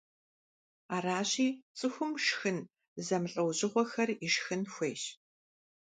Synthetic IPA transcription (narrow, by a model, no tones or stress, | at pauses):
aːraːɕiːt͡sʼɨxʷʊmʂxɨn | zɐmɬʼɐwʑɪʁʷɔxɐriʂxɨnxʷeːɕ